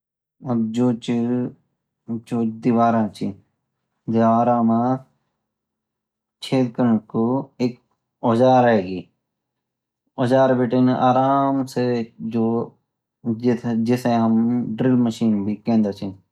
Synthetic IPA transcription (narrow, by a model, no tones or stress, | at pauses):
ɐbd͡ʒoːt͡ʃi | d͡ʒoːd̪ɪʋaːɾãːt͡ʃʰi | d̪eaːɾãːmãː | t͡ʃʰeːd̪kəɳkoːeːk | od͡ʒaːɾeːɡiː | oːd͡ʒaːɾbeːʈenʔaːɾaːmsed͡ʒoː | d͡ʒet̪ʰd͡ʒesẽːɦəmɖɾɪlməʃiːnbʱiːkẽːnd̪at͡ʃʰiː